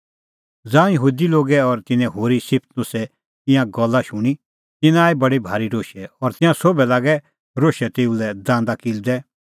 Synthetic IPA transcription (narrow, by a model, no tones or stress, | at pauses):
d͡zãːjəɦuːd̪iloːɡɛɔɾt̪ɪnɛ̃ɦoːɾisɪpʰt̪nʊ̃sɛ | t̪ɪ̃jãɡɔlːaʃʊɽ̃i | t̪ɪnaːibɐɽibʱaːɾiɾoːʃɛɔɾt̪ɪ̃jãsobɛlaːɡɛ | ɾoːʃɛt̪eːulɛd̪ãːnd̪akild̪ɛ